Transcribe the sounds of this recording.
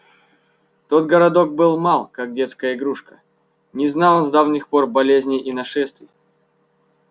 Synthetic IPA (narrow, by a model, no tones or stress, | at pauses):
t̪o̞t̪ɡəɾɐd̪o̞k̚bɨlˠmalˠkak̚dʲet̪skəjəɪɡɾuʂkə̥ | nʲɪznalˠonzd̪avnʲɪxpo̞rbɐlʲezʲnʲɪʔːnɐʂɛst̪vʲɪj